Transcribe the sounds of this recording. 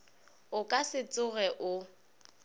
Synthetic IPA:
ʊkʼasɪt͡sʼʊɣɛʔʊ

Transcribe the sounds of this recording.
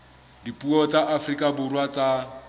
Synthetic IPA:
dipʼuɔt͡sʼaʔafrikʼabʊrwat͡sʼa

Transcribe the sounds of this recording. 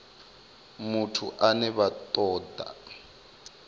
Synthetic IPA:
mutʰuʔanɛβat̪ʼɔːdʱa̰

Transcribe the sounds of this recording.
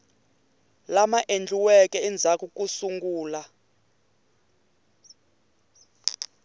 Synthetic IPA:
lamaʔend͡ɮʱuwɛkʼɛɛnd͡zʱakuk̬ʼusuŋɡuːla

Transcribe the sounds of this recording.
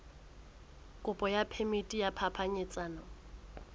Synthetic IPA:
kʼʊpʼɔjapʰemitʼijapʰapʰaɲɪt͡sʼaːnɔ

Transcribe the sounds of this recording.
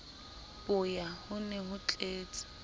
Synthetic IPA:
pʼʊjahʊnɛhʊt͡ɬʼeːt͡sʼɪ̥

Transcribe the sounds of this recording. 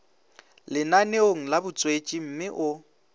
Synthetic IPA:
lɪnaneoŋ̩labʊt͡sʼwet͡ʃʼim̩mɪʔʊ

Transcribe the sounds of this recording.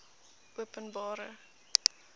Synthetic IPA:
ʔuəpənbɑːɾə̰

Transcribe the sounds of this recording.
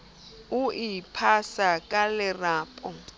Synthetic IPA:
ʊipʰasakʼalɪraːpʼɔ

